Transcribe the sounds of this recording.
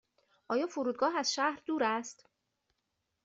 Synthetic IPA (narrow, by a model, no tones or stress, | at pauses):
ʔɒːjɒːfoɾuːd̪̚ɡɒːɦæzʃæhɾd̪uːɾæst̪